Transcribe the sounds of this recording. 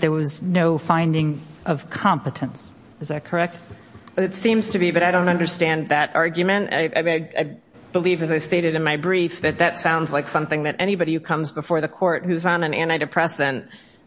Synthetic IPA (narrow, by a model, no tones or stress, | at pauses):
ðə˞wʌznoʊfãɪ̃ndɪ̃ŋʔʌv̥kʰɑ̃mpɨɾɨ̃ns | ɨzðɨt̚kʰə˞ɛk̚t̚ | ɨtsĩmz̥tʰɨbibʌɾaɪɾõʊ̃ntʌ̃ndə˞stæ̃nðɨɾɑɹɡjɨmɨ̃nta̰ɪʔa̰aɪaɪ | b̥əlivɨzaɪsteɪɾɨɾɨ̃nmaɪbɹifðɨt̪̚ðɨtsãʊ̃ndz̥laɪksʌ̃mθɪ̃ŋðɨɾʔɛñibɑɾiɨkʰʌ̃mzbəfɔɹðɨkʰɔɹt̚hʉzn̩ɨ̃næ̃ñaɪɾɨpʰɹ̥ɛsɨ̃n